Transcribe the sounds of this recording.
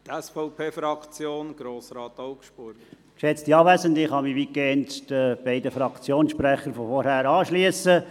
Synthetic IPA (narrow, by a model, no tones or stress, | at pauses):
t̪ɛsfɔʊpʰeːfɾɑkt͡sjoːnɡ̥ɾoːsɾɑːt̪ɔʊkʃbʊɾɡ | kʃɛt͡stiɑːʋæzəndɪχhɑmiʋikɛːntd̥əb̥ɛɪdəfɾɑkt͡sjoːnsʃpɾɛχəɾfɔfɔɾhæːɾɑːʃliəsə